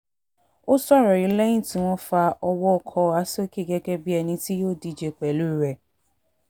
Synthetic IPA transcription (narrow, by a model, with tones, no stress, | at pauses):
o˦sɔ˦˨ɾɔ˨ɾi˨˦lɛ˦ĩ˦ti˨w̃ɔ̃˦fa˧ʔɔ˧wɔ˦kʰɔ˧˦˨a˨˦so˦ke˦˨ɡe˦ɡɛ˦bi˦ɛ˨nĩ˧ti˦jo˦di˨d͡ʒe˨k͡pɛ˨lu˦˨ɾɛ˨